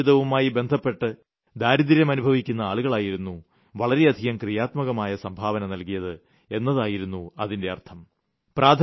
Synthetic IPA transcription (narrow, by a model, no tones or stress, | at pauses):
iðɐʋumaːjibe̞nd̪ʱɐpːe̞ʈːɨ | d̪aːɾiðiɾjɐmɐnubʱɐʋikʲːunːɐaːɭuɣɐɭaːjiɾunːu | ʋɐɭɐɾe̞ɐd̪ʱiɣɐmkrijaːt̪mɐɣɐmaːjɐsɐmbʱaːʋɐnɐnɐlkijɐðɨ | e̞nːɐðaːjiɾunːuɐðinde̞ɐ̰rt̪ʰɐm | prʔaːd̪ʱ